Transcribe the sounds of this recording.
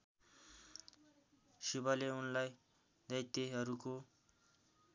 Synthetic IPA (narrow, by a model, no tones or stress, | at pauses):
sibʌleunlaj | d̪ʌjt̪eɦʌɾuko